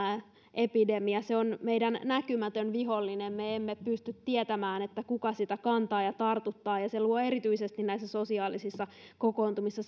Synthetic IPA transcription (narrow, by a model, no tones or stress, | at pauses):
ʔepidemiɑseonmeidænnækymæt̪ønʋiɦolːinemmeemːepyst̪yt̪t̪iet̪æmæːnet̪ːækukɑsit̪ækɑnt̪ɑːjɑt̪ɑrt̪ut̪ːɑːjɑseluoeɾit̪yisest̪innæisːæso̞siɑːlisisːɑ | kokoːnt̪umisːɑ